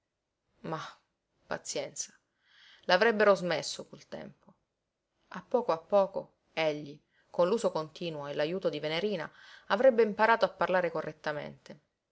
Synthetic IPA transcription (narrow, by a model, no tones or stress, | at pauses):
ma | pa̰t̪sjɛnt̪sḁ | lavɾɛbːeɾozmesːokult̪ɛ̰mpo | apːɔːkoapːɔːko̰ | eʎːi | konluːzokont̪iːnwoelajuːt̪od̪iveneɾiːna̰avɾɛbːeimpaɾaːt̪oapːarlaːɾekorːet̪ːamḛnt̪e